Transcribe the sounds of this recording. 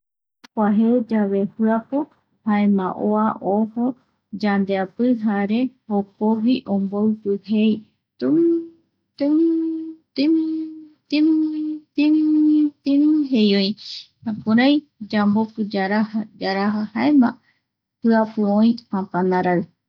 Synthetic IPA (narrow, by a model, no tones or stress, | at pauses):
kʷaɦed͡ʒaβe̞hɨapo | haemãʔoaʔoho | d͡ʒand̪eapɨɦaɾe̞hokoβiʔõmbowpɨhej | t̪u | t̪u | t̪imt̪mt̪imt̪imɦejoj̃hãpuɾaj | d͡ʒambokɨd͡ʒaɾahad͡ʒaɾaɦahaemã | hɨapoõĩãpãnãɾaɨ